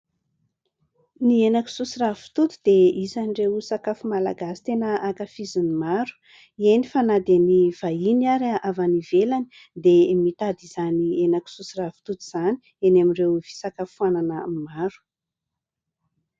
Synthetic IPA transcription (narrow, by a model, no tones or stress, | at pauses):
nienaki̥susiravi̥t̪ut̪u̥d̪eizanirewsakafumala̰ɡasi̥t̪enəakafizinimaɾu̥ | ienifanad̪aniv̥ainaɾaʔavanivelani̥ | d̪emit̪ad̪izanienaki̥susiravi̥t̪ut̪iz̥ani̥ | enamiɖ͡ʐewv̥i̥sakafuananəmaɾu̥